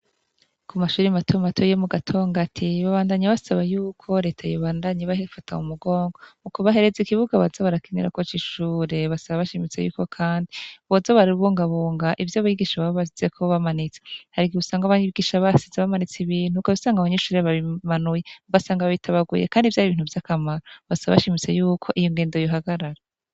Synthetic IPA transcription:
kumaʃuːɾimatʰomatʰojomuɡatʰo̞ːŋɡatʰiβaβaːndaɲaβasaβajuːkʰo̞ɾe̞ːtʰajoβaːndaɲeβaɦefatʰa̰ṵmuɡo̞ːŋɡo̞ukoβaɦe̞ɾe̞zikiβuɡaβazaβaɾakeneɾa̰kot͡ʃiʃuːɾe̞βasaβaβaʃimit͡sejṵːko̞kʰaːndiβozoβaɾiβuːŋɡaβuːŋɡaʔivjoβajiɡiːʃaβaββasiz̥ekʰoβamanit͡se̥haɾikiusaːŋɡaβaɡiːʃaβasizeβamanit͡siβiːn̥ukoβisaːŋɡaβaɲeʃuːɾeβaβimanujeβasaːŋɡaβaitʰaβaɡṵjḛkaːndivjaβiβiːn̥huvjakamaɾoβasaβaβaʃimit͡se̞juːkʰo̞ʔijoŋɡeːndo̞joɦaɡaɾaɾa

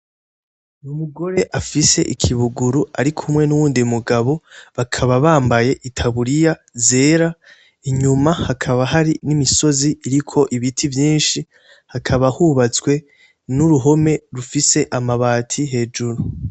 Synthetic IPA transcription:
numuɡo̞ɾe̞ʔafise̞̰ʔikʰiβuɡuɾuaɾikʰumŋe̞nuwuːndimuɡaβo̞βakʰaβaβaːmbaje̞ʔitʰaβuɾijaze̞ːɾa | iɲumahakʰaβaɦaɾinimiso̞ziʔiɾikʰo̞ʔiβitʰivjiːnʃi | hakʰaβahuβat͡swe̞ | nuɾuɦo̞me̞ɾufise̞ʔamaβaːtʰiɦe̞ːd͡ʒuɾu

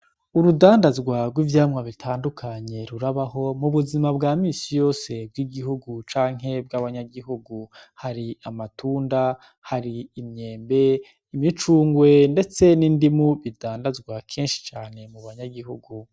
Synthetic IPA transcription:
uɾudaːndazɡwaɡwivjaːmŋaβitʰaːndukʰaɲe̞ɾuɾaβaɦo̞muβuzimabɡaːmiːsijo̞ːse̞b̚ɡiɡiɦuɡut͡ʃaːŋ̥ɦe̞b̚ɡaβaɲaɡiɦuɡuhaɾiamatuːnda | haɾiːmɲe̞ːmbe̞ | imit͡ʃuːŋɡwe̞nde̞t͡se̞nindimuβidaːndazɡwakʰeːnʃi̥t͡ʃaːne̞muβaɲaɡihuɡu

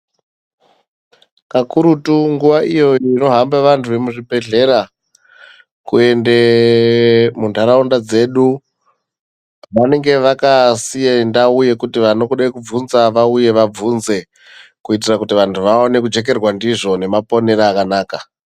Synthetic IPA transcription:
kakuɾutuŋɡuʋaʔijo̞ino̞ɦambaʋantʰuʋe̞muʐibʱe̞ɮe̞ɾa | kue̞nde̞ | mundʱaɾaundad͡ze̞ːɗu | ʋane̞ŋɡe̞ʋakasijendauje̞kutiʋano̞kuɗakub͡vunzaʋauje̞ʋab͡vunze̞ | kuit̬irakutiʋantʰuʋao̞ne̞kud͡ʒe̞k̬e̞rwandiʐo̞ne̞mapo̞ne̞ɾaːkanaːka

